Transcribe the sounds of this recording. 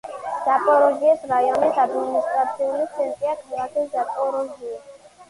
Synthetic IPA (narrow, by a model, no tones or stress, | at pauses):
z̥apʼɔɾɔʒiɛsɾajɔnisad̪minist̪ʼɾat̪sʰiulisʰɛnt̪ʼiakʰalˠakʰiszapʼɔɾɔɡiɛ